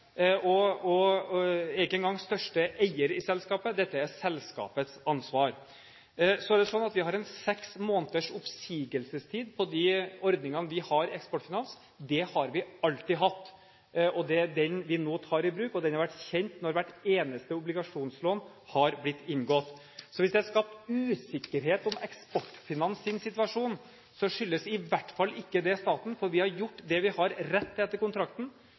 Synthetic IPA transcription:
ɔɔ | ɛɡɛnɡɑŋːst̪œʂʈəʔæɪəɾɪsɛlskɑːpəd̪ɛt̪ːəæsɛlːskɑ̰ːpət̪sɑnsʋɑːɾ | sɔæɾɖ̪ɛsɔnːɑt̪ʋɪhɑɾɛnsɛksmoːnt̪əʂʊpsiːɡəlsəst̪ʰiːd̪pʰɔd̪iɔɾd̪nɪŋɑnəʋɪhɑɾɛkspɔʈfɪnɑns | d̪ɛhɑɾʋɪɑlt̪ɪɦɑt̪ː | ʔɔd̪ɛɖ̪ɛnʋɪnoːt̪ʰɑːɾɪbɾʉːkɔd̪ɛnhɑɾʋæʈːçɛnt̪nɔɾʋæʈːeːnəst̪əʊblɪɡɑʂuːnsloːn | hɑɾblɪt̪ːɪnɡɔt̪ | sɔʋɪsd̪ɛhɑɾʂkɑp̚t̪ʉːsɪkːəɾɦeːt̪ɔmɛkspɔʈːfɪnɑnsɪnsɪt̪ʋɑʂuːn | sɔʂʏlːəsɪʋæʈːfɑlːɪkːəd̪ɛst̪ɑːt̪n̩fɔɾʋɪhɑɾjʊʈːd̪ɛʋɪhɑɾɾɛt̪ːɛt̪ːəɾkʊnt̪ʰɾɑkt̪n̩

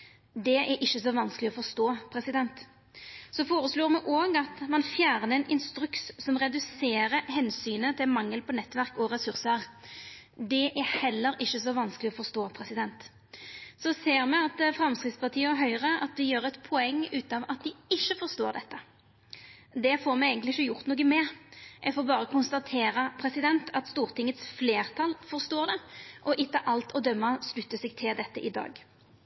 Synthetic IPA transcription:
d̪ɛʔæʔɪʃːəsɔʋɑnsklɪɔfɔʁst̪oːpʰɾɛsɪd̪ɛnt̪ | sɔfoːʁəsloːʁmɛʔoːɡɑt̪mɑnfjæːʁnəɛnɪnst̪ɾʉkssɔmʁɛd̪ʉseːɾəhɛnsyːnət̪ʰɪlmɑŋːəlpʰɔnɛt̪ːʋæʁkɔʁɛsʉɾsəʁ | d̪ɛʔæhɛlːəɾɪʃːəsɔʋɑnsklɪɔfɔʁst̪oːpʰɾɛsɪd̪ɛnt̪ | sɔseːɾmɛɑt̪fɾɑmskɾɪt̪spɑʁt̪ʰiːəɛɦœʏʁəʔɑt̪d̪ɪjøːɾɛt̪pʰɔɛŋːʉːt̪ɑʋɑt̪̚d̪ɪɪʃːəfɔʁst̪oːʁd̪ɛt̪ːə | d̪ɛfɔɾmɛæɪɡənlɪɪçːəjʊʁt̪noːɡəmɛʔɛɡfoːɾbɑːʁəkʰʊnst̪ɑt̪ʰeːɾəpʰɾɛsɪd̪ɛnt̪ʰɑt̪st̪uːɾt̪ɪŋːət̪sfleːʁt̪ʰɑlfɔʁst̪oːʁd̪ɛʔɔʔɪt̪ːəʔɑlt̪ʰɔd̪œmːɑslʉt̪ːəsɛɡ̚t̪ʰɪld̪ɛt̪ːəʔɪd̪ɑ̰ːɡ

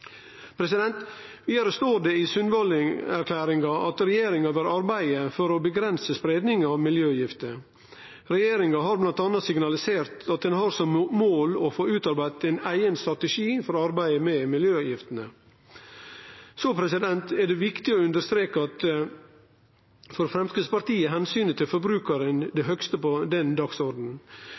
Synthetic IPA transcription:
pʰɾɛsɪd̪ɛnt̪ʋiːd̪ɑɾəst̪oːɖ̪ɛɪsʉnʋɑlɪæɾkʰlæːɾɪŋɡɑʔɑt̪ɾɛjeːɾɪŋɑʋæɾɑɾbæɪəfɔɾɔbəɡɾɛnsəspɾeːd̪nɪŋɑʋmɪljøːjɪft̪ə | ɾɛjeːɾɪŋɑɦɑɾblɑnt̪ɑnɑsɪɡnɑlɪseːɾt̪ɑt̪̚d̪ɛnɦɑɾsɔmmoːlɔfoːʉːt̪ɑɾbæɪt̪ɛɪnæɪənst̪ɾɑt̪əʂiːfɔɾɔɑɾbæɪəmɛmɪljøːjɪft̪ən̩ə | soːpʰɾɛsɪd̪ɛnt̪ɛɖ̪ɛʋɪkt̪ɪɔʉnd̪əɾst̪ɾeːkəɑt̪ | fɔɾfɾɛmskəd̪spɑɾt̪iːəɦɛnsyːnət̪ʰɪlfɔɾbɾʉːkəɾənd̪ɛɦœkst̪əpɔd̪ɛnd̪ɑksɔɾd̪n̩

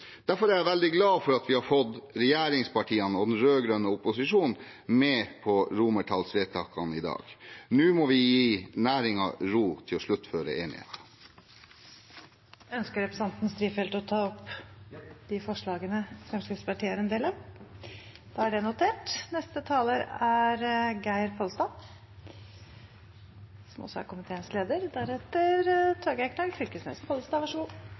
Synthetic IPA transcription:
d̪̥æɾfɔɾæɾjæʋɛld̪ɪɡlɑːfɔɾɑt̪ʋɪhɑɾfɔd̪ɾɛjeːɾɪŋspɑʈʰiːɑnɔd̪ɛnɾøːɡɾœnəʊpʊsɪʂuːnn̩ | meːpʰɔɾuməʈʰɑlsʋeːt̪ʰɑːkɑnɪd̪ɑ̰ːɡnʉːmɔʋɪjiːnæːɾɪŋɑ̰ɾuːt̪ʰɪlɔʂɭʉt̪ːføːɾə̰ʔeːnɪ̰hḛːt̪ɑ̥ | œnskəɾɛpɾəsɑnt̪n̩st̪ɾiːfɛlt̪ɔt̪ʰɑːɔp | d̪ɪfɔʂɭɑːɡənəfɾɛmskɪspɑʈʰiːəəɾɛnd̪eːlɑm | d̪̥ɑæɖɛnʊt̪ʰeːʈnɛst̪ət̪ʰɑːləɾæɾɡæɪɾpʰɔlst̪ɑː | sɔmɔ̰sɔ̰æ̰ɾkʊmɪt̪ʰeːnsleːd̪əɾd̪æɾɛt̪əɾt̪ʰɑɾɡæɪkʰnɑlfʏlkəsnḛːspʰɔlst̪ɑːʋɑʂəɡuː

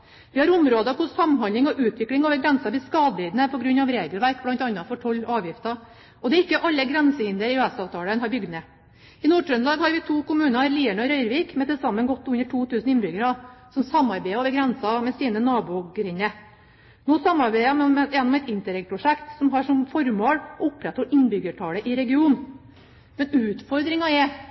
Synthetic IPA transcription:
ʋɪhɑɾʊmɾoːd̪əɑkʊsɑmːnhɑnd̪ɪŋɔʔʉːt̪ʋɪklɪŋoːʋəɾɡɾɛnsɑʋɪskɑːd̪biːd̪nəpʰɔɡɾʉnːɑʋɾeːɡəlʋæɾk̚blɑnt̪ɑnːɑfɔʈʰɔlːʔɑːʋjɪft̪ɑ | ɔd̪ɛɾɪkːəʔɑlːəɡɾɛnsəhɪnd̪əɾɪʉːɛsɑːʋt̪ʰɑːlənɦɑɾbʏɡd̪mɛ | ɪnuːʈɾʉnd̪ɑːɡhɑɾʋɪt̪ʰuːkʊmʉːnɑliːæɳəɔɾœʏɾʋiːkmɛt̪ɛlsɑmːənɡɔt̪ːʉnːəʈʰuːt̪ʉːsn̩ɪnbɾʏɡəɾɑsɔmsɑmːɑɾbæɪoːʋəɾɡɾɛnsɑmɛsiːnənɑːbʊɡɾɪnːə | noːsɑmːɑɾbæɪɑmɛmɛɛnːɔmɛɪt̪ɪnt̪əɾɛɡ̚pʰɾʊʂɛkt̪sɔmɦɑʂɔmfɔɾmoːlʊpːɾɛt̪ʰɔɾɪnbʏɡəʈʰɑːləʔɪɾɛɡɪuːn | mɛnʉːt̪fɔɾd̪ɾɪŋɑɛ

